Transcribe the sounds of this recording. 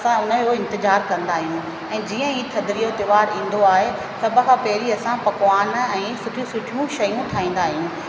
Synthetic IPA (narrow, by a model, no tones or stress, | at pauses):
ɐsãʊnə̆oɪ̃nt̪ɪzaːɾkɐ̃nd̪aːɦijũ | ɛ̃ːd͡ʑiːə̃iːt̪ʰɐd̪ɾijot̪ɪʋaːɾĩːn̆d̪oaːɦe | sɐbʱə̆kʰãːpɐɦɪɾiɐsãpɐkʋaːnɛ̃ːsʊʈʰijũsʊʈʰijũʃɐjũt̪ʰaːĩːn̆d̪aːɦijũː